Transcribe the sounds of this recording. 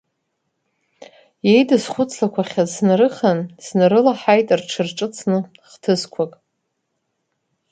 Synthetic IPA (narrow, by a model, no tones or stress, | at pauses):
je̞jdɨzχʷʊt͡sʰlakʷaχʲaznɾɨχanz̥nɨɾɨlaħajtʼrʈ͡ʂʰɨrʈ͡ʂʼɨt͡sʰnɨ | χtʰɨzkʷʰakʼ